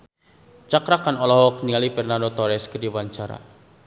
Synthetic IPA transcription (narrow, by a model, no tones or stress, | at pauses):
t͡ʃakɾakanɔlɔɦɔkniŋalipɛrnanot̪ɔɾɛskədiwaɲt͡ʃaɾa̰